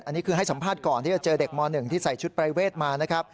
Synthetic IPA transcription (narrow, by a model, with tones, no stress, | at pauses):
ʔa˧nːi˦˥kʰɯː˧a˥˩jsa˩˦mpʰaː˥˩t̪̚kɔː˨˩nt̪ʰi˥˩t͡ɕa˨˩t͡ɕɤː˧de˨˩k̚mɔː˧nːɯ˨˩ŋt̪ʰiː˥˩sa˨˩jt͡ɕʰu˦˥t̪̚pɾa˧jweː˥˩t̪̚maː˧na˦˥kʰɾa˦˥p̚